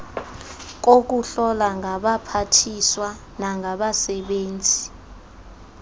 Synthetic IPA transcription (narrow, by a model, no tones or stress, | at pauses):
k̬ok̬uɬɔlaŋʱaɓapʰatʰiswa | naŋaɓasɛɓeːnd͡zʱi